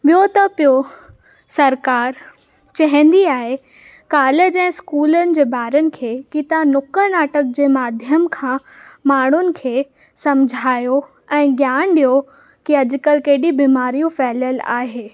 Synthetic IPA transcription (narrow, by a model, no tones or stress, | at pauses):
ɓijot̪ɐpijo | sɐɾkaːɾ | t͡ɕɐɦɪ̃nd̪iaːɦe | kaːled͡ʑɛ̃ːskuːlənɪ̆d͡ʑeːbaːɾənɪ̆kʰeːkit̪anʊkəɾnaːʈək̚d͡ʑeːmaːd̪ʱjəmkʰãː | maːɳ̤ʊnɪ̆kʰeː | sɐ̃md͡ʑʱaːjo | ɛ̃ːɡjaːɳ̃ɗijo | kiɐd͡ʑʊ̆kəlkeɦɗibiːmaːɾijũfɛːləla̰ːɦeː